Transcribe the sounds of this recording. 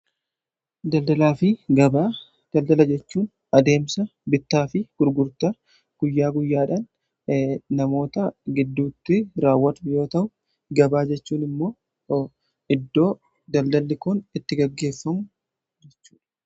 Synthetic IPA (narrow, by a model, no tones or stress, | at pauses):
d̪ɐld̪ɐlaːfɪɡɐbaː | d̪̥ɐld̪ɐlɐd͡ʒɛt͡ʃːuːn | ɐd̪e̞ːmsɐbɪt̪ːaːfɪɡ̥ʊɾɡʊɾt̪ɐ | ɡ̥ʊjːaːɡʊjːaːᶑan | nɐmo̞ːt̪ɐɡɪd̪ːuːt̪ːɪɾaːwːɐt̪ʊjo̞ːt̪ɐʔʊ | ɡɐbaːd͡ʒɛt͡ʃːuːnɪmːo̞ː | ʔɪd̪ːo̞ː | d̪ɐld̪ɐlːɪkʊnɪt̪ːɪɡɐɡːe̞ːfːɐmʊ | d͡ʒɛt͡ʃːu̥ːᶑɐ̥